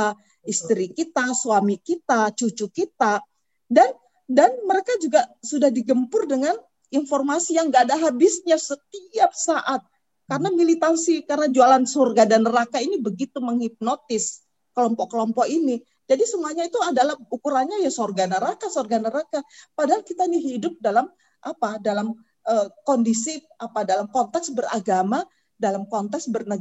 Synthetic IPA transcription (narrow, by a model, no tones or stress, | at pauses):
ist̪əɾikit̪asuamikit̪at͡ʃut͡ʃukit̪a | dan | danməɾekad͡ʒuɡasudahdiɡəmpʊrdəŋan | informasijaŋɡadaɦabɪsɲasət̪iap̚saʔat̪̚ | kaɾənamilit̪ansikarənad͡ʒualansorɡadanəɾakainibəɡit̪uməŋhip̚not̪ɪs | kəlɔmpɔʔkəlɔmpɔʔini | d͡ʒadisəmuaɲait̪uadalahukuɾanɲajasorɡanəɾakasorɡanəɾakapadaɦalkit̪ainiɦidʊp̚dalam | ʔapadalam | ʔəkɔndisi | apadalamkɔnt̪ɛksbəraɡama | dalamkɔnt̪ɛksbərnəɡ